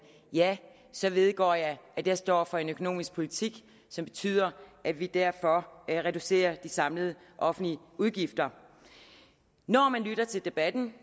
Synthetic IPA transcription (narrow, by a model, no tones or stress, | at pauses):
jæ | sɒ̽ʋe̝ð̞ˠɡ̥ɒ̰ːjɑ̈ɪæd̥æsd̥ɒ̰ːfɒ̽e̝nøkʰo̝no̝̰ːmisɡ̥̚pʰo̝lit͡sʰiɡ̥ | sɒ̽mb̥e̝t͡sʰy̰ːð̰ˠɐʔædʋid̥æɐ̰fɒ̽ʁɛd̥use̝̰ːɐd̥isɑ̈mləð̞ˠə | ʔɒ̽fn̩liəuðˠɡ̥ifd̥ɐ | nɒːmænlyɾ̥ɐt͡sʰe̝ld̥e̝b̥æd̥n̩